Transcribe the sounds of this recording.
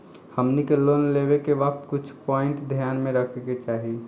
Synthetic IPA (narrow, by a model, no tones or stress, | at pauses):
həmnikeloːnleːʋekeʋək̚t̪kʊt͡ʃʰpɔːɪ̃ɳʈd̪ʱjaːnmẽɾəkʰeket͡ʃaːɦi